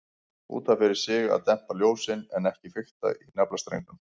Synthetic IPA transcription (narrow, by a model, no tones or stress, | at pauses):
ṵːt̪afɪɾɪɾ̥sɪːɣaa̰ðt̪ɛm̥paljoːwsɪnɛnɛhcɪfɪxt̪a̰ʔinɛplast̪ɾḛjŋk̪ʏm